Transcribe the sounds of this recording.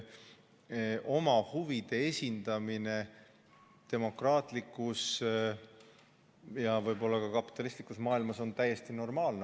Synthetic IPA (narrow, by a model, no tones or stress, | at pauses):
ʔo̞mɑhuvid̪̥e̞esʲind̪̥ɑmine̞ | t̪e̞mo̞krɑːt̪ˑlikːˑus | jɑvɤjbo̞lːɑkɑkɑpːˑi̥t̪ːˑɑlist̪likːˑusmɑːilmɑso̞nt̪æje̞st̪ino̞rmɑːlne